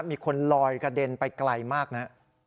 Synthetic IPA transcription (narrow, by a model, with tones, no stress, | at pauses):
miː˧kʰo˧nlɔː˧jkɾa˧de˧npa˧jkla˧jmaː˥˩k̚na˦˥ʔ